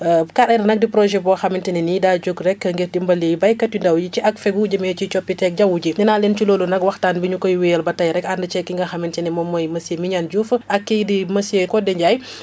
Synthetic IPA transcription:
kaɾɐnɐnɐk̚dipɾɔʒɛbɔxamintɛnɛnidaːɟoɡrɛkːɐŋɡɛtdimbɐlejbɐjkɐtːindawjit͡ʃiʔɐkfɛɡuɟɐmɛt͡ʃit͡ʃɔpːitɛk̚ɟawuɟinɛnaːlɛnt͡ʃiloːlunɐkwɐxtaːnbiɲukɔjwiɛlbɐtɐjɾɛkandət͡ʃɛkːiŋɡɐxɐmintɛnɛmɔmːɔjmɐsemiɲanɟufʔɐkːijdimɐsiekɔdɛɲɟaj

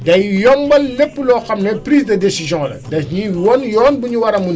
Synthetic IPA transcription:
dɐjjɔmbɐlːepːlɔːxɐmnɛpɾiːsdɐdesizjɔ̃lɐ̰dɐɲiwɔnjɔːnbuɲuwɐɾɐmun

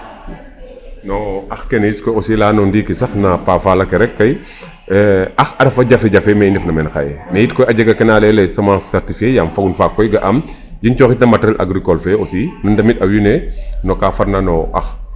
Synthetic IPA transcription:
nɔɐxkɛnɐjiskɔjosilaːnɔndiːkisɐxnɐpaːfalɐkɛɾɛkːɐj | ɐxɐdɐfɐɟɐfɛɟɐfɛmɛjndɛfnɐmɛnxa̰jɛnɐjitkɔjɐɟɐɡɐkɛnalɛlɛsɛmãːsːɛɾtifiejamfɐɡunfakːɔjɡɐʔɐm | d͡ʒint͡ʃɔːxit̚nɐmɐtɾɛlʔa̰ɡɾikɔlfɛosiːnɔndɐmitɐwinɛnɔkafɐɾnanɔʔɐ̰x

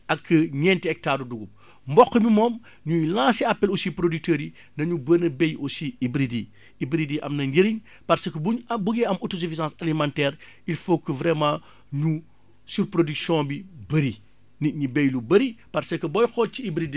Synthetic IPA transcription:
ʔɐkːɐɲɛntiɛk̚taːɾuduɡum | mbɔkːəmimɔːm | ɲujlãːsiapːɛlɔsipɾodyk̚təːɾi | nɐɲubənɐbejosiibɾidi | ibɾidiʔɐ̰mnɐɡiɾiɲ | pɐɾsɐkəbubuɡɛɐmotos̬ifisãːsalimãntɛːɾ | ilfokːuvɾɛmãː | ɲu | suɾpɾodyksjɔ̃bibɐɾi | niɲibɛjlubɐɾipɐɾsɐkːɐbɔjxɔːciibɾidi

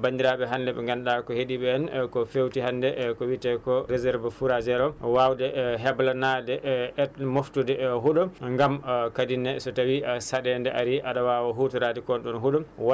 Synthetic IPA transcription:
bandiɾaɓɛɦandɛɓɛ̰ŋɡanɗakɔheɗiɓɛːnkɔfewtihandɛkɔwitɛkɔɾezɛɾvɛfuɾad͡ʒɛɾɔwawdɛɦɛblanadɛʔɛtmoftudɛɦuɗɔŋɡamkadinːɛsɔtawiasaɗɛndɛʔaɾiʔaɗawawaɦutuɾadikɔnɗɔnɦuɗɔwa

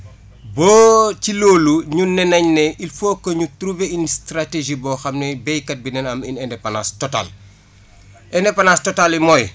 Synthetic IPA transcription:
bɔːciloːluɲunɛnɐɲneʔilfoːkːoɲutɾuveinstɾateʒibɔːxɐmnɛbɛjkɐt̚binɛnɐminɛndɛpanastɔta̰ːl | ʔɛndɛpanastotalimɔj

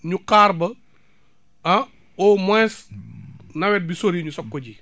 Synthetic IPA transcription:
ɲukaːɾbɐ | ɐ | ɔmɛːs | nɐwɛt̚bisoɾiɲusɔkːɔɟi

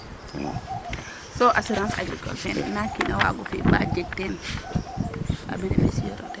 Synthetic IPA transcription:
sɔʔasiɾãnsa̰ɡɾḭkɔ̰lfɛnɛ̰nakinawa̰ɡɔfibad͡ʒɛɡ̚tɛn | ʔa̰binɛmesijɔ̰ɾɔ̰dɛ

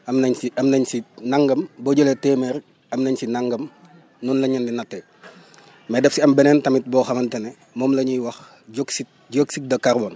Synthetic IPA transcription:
ɐmnɐɲiɐmnɐɲsinaŋɡɐmboɟoletɛmɛɾ | ɐmnɐɲsinaŋɡɐm | nunlɐɲɐndinɐtːɛ | mɛdɛfsiɐmbɛnɛːntɐmit̚bɔːxɐmɐntɛnɛ | mɔːmlɐɲiwɐx | ɟoksi | ɟoksik̚dɐkaɾbɔn

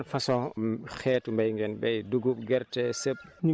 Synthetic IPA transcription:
nfɐsɔ̃xɛːtumbɐjŋɡɛnbɛjduɡup̚ɡɛɾtɛsɐp̚ɲi

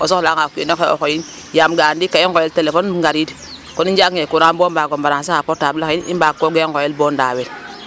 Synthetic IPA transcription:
osoklaŋakenokeo̰kojin | jamɡandikːaiŋɡojeltelefonŋɡaɾid | konind͡ʒaŋekunabombaɡombaɾas̬aapotabakiimbakːoɡeŋɡojelbonda̰wel

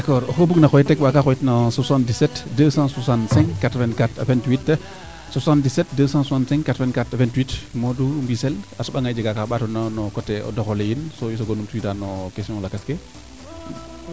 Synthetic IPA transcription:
dakɔɾɔhobuknakɔjitːɛkwakaxɔjitnasusãndisɛtdəsãsusãnsɛ̃ŋkkatɾɔvɛ̃nkata̰fɛ̃ntwitː | susãndisɛt̚dəsãsusãnsɛ̃ŋkkːatɾɔvɛnkatafɛ̃ntwitmoduɾmbisɛlasɔɓaŋajd͡ʒɛɡakaɓatɔnanɔkɔtːɛɔ̰dɔxɔlejinsojisɔɡonumtuitanɔkesiɔ̃ŋlakaskɛ

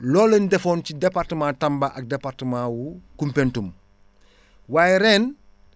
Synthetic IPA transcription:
lɔːlendɛfoːncidepaɾtəmãːtambaʔɐk̚depaɾtəmãːwukumpentum | waːjɛɾɛːn

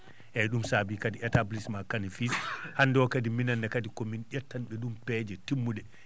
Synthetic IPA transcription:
ʔɛɗumsabikadiɛtablismakanifishandɔkadiminanːakadikɔminʔɛtːanɓɛɗumpɛd͡ʒɛtimːuɗɛ

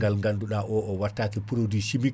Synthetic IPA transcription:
ɡalŋɡanduɗaʔɔʔɔwatːaːkipuɾodiʃimi

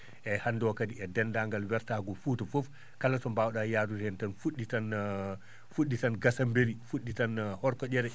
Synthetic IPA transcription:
ʔɛhanːdɔkadiɛdɛndaŋɡalwɛɾtaɡɔfuːtɔfof | kalatɔmbawɗajaːduɾhɛntanfuɗːitan | fuɗːitanɡasambeɾifuɗːitanhɔɾkɔd͡ʒɛɾɛ

